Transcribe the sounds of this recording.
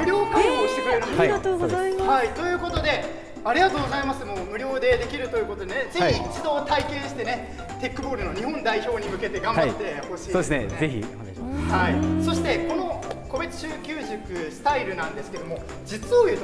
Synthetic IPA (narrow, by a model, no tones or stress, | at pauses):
mɯ̟ɾʲo̞ːkãhoːɕi̥t̪ekɯ̟ɾeɾɯ̟m | hait̪o̞jɯ̟ːko̞t̪o̞d̪e̞ | aɾʲiɡat̪oːɡo̞zaimasɨmo̞ːmɯ̟ɾʲo̞ːd̪e̞d̪e̞kʲiɾɯ̟t̪o̞jiɯ̟ko̞t̪o̞d̪e̞ned͡ze̞çiit͡ɕid̪o̞ːt̪aikẽ̞ɰ̃ɕi̥t̪e̞ne̞ | t̪e̞kːɯ̟bo̞ːɾɯ̟no̞ɲ̟ihõ̞nd̪aiço̞ːɲ̟imɯ̟ke̞t̪e̞ɡãmbat̪ːe̞ho̞ɕiːdesezeçḭ | haiso̞ɕi̥t̪e̞ko̞no̞ko̞be̞t͡sɨ̥ɕɨːkʲɨːʑɨkɯ̟sɨ̥t̪aiɾɯ̟nãnd̪e̞sɨ̥ke̞d̪o̞mo̞ | d͡ʑit͡sɨojɯ̟ːt̪